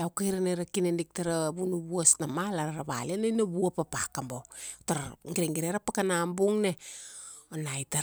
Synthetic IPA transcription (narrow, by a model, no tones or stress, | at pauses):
awkajɾaneɾakinendik̚taɾaβunuβuasnamalaɾaɾaβa̰lenenaβuapapakambotaɾŋɡiɾeŋɡiɾeɾapakanambuŋne | onajta